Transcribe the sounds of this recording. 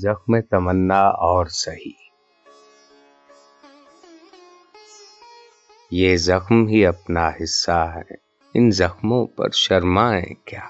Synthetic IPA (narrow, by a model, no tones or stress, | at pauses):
zɐxmẽt̪ɐmənːaɔːɾsɐɦiː | jeːzɐxmɦiɐpnaɦɪsːaɦɛ̰ː | ɪnzɐxmõpɐ̰ɾʃɐɾmaɛ̰̃ːkjaː